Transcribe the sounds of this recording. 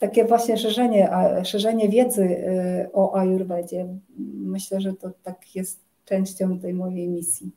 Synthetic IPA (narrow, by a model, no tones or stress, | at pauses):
t̪akʲɛvwaɕɲɛʂɛʐɛɲɛʔaʂɛʐɛɲɛvʲjɛd̪zɘʔɔʔajuɾbɛd͡ʑɛmɘɕlɛʐɛt̪ɔt̪akjɛst̪ | t͡ʂɛw̃ɕt͡ɕɔ̃w̃t̪ɛjmɔjejmʲisʲji